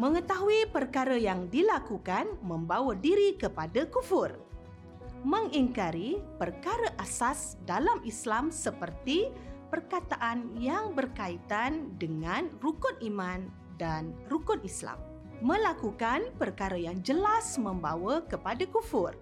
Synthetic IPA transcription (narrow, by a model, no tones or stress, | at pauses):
mə̃ŋət̪aɦuipərkaɾəjaŋdilakukanmə̃mbawədiɾikəpadakufʊr | mə̃ŋiŋkaɾipərkaɾəʔasasdalamʔislamsəpərt̪ipərkat̪aʔanjaŋbərkait̪andəŋãnrukʊnimãn | danrukʊnisla̰mː | ə̃lakukanpərkaɾəjaŋd͡ʒəlasmə̃mbawəkəpadakufʊr